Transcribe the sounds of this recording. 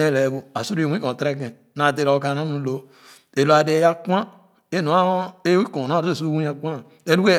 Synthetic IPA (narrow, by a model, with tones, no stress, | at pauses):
e˦˨le˨bu˨a˨su˦ɾwĩ˦kõ˨tɾe˦kẽ˨ | na˨te˨ɾo˨ka˨na˦nu˨lo˦ | e˨lo˨˦a˨de˨˦ja˦kʷã˦ | e˦no˨˦a˦e˦i˦kõ˨na˦˨˦su˦wũ˦a˨kʷa˦˨ | e˦lu˦ke˦